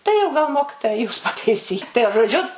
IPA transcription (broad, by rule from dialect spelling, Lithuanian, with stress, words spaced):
tɐɪ jɛʊ ɡɐlˠ ˈmoːkʲɪtoːjɛ juːs pɐtɐɪˈsʲiː tɐɪ jɛʊ ʒoːˈd͡ʒʲʊ